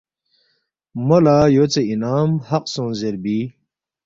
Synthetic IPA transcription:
mɐlaːjot͡seinaːmhɐqsõnzeɾbiː

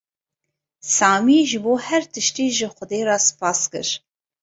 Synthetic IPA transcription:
sɑːmiːʒɨboːhɛɾt̪ʰɨʃt̪iːʒɨxʷʊd̪eːɾɑspʰɑːskɨ̰ɾ

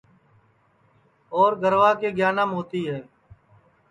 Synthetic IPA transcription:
oːɾɡʱəɾʋaːkeːɡjaːnaːmɦoːt̪iːɦɛː

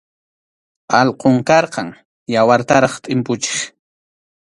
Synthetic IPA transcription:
ɑlqoŋkɑɾqɑŋ | jawaɾt̪aɾɑχt̪ʼɪmpʊt͡ʃe̥χ

